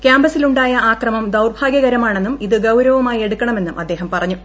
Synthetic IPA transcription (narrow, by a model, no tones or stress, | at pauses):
kjaːmbɐsiluɳɖaːjɐʔaːkrɐmɐmd̪ɐwrbʱaːɡjɐɣɐɾɐmaːɳe̞nːumiðɨɡɐwɾɐʋumaːje̞ɽukːɐɳɐmenːumʔɐd̪ːe̞ːɦɐmpɐrɐɲːu